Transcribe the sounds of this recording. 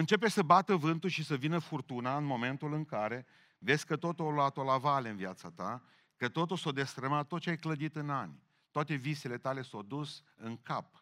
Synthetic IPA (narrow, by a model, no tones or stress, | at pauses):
ɨnt͡ʃe̞pe̞səbat̪əvɨnt̪uʃisəvinəfurt̪unaɨnmo̞me̞nt̪ulɨŋkaɾe̞ | ve̞sʲkət̪o̞t̪ualoat̪olavaleɨnviat̪sat̪a | kət̪o̞t̪usod̪e̞st̪ɾəmat̪t̪ːot̪t͡ʃeajkləd̪it̪ɨnanʲ | t̪oat̪e̞vise̞le̞t̪ale̞sowd̪us | ɨŋkap̚